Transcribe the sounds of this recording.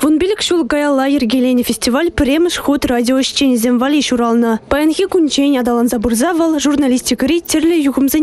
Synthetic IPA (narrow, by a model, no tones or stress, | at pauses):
vunbʲilʲɘ̆kʲɕulˠɡɑjɑlˠːɑjerʲɡʲelʲenʲefʲesʲtʲivalʲpʲɘ̆rʲemʲɘ̆ʂχut̪radʲioɕt͡ɕːenʲzʲemʲvɑlʲiɕuɾɑlˠnɤ̆pɑjɤnɣʲikunʲd͡ʑenʲɑd̪ɑlˠɑnzɑburzɑʋɤ̆lˠʐurnalʲisʲtʲikɾʲitʲɘ̆rʲlʲɘ̆juʁɤ̆mzʲe